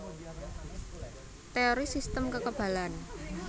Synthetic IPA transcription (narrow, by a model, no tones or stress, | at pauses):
t̪eoɾisist̪əmkəkəb̥a̤lan